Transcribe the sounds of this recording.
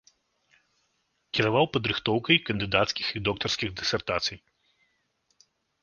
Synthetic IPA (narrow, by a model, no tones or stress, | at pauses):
kʲiɾavawpɐd̪ɾɨxt̪ɔwkɐjkɐnd̪ɨd̪at̪skʲixid̪ɔk̚t̪ɐrskʲiɣd̪ɨsʲɛrt̪at̪sɨj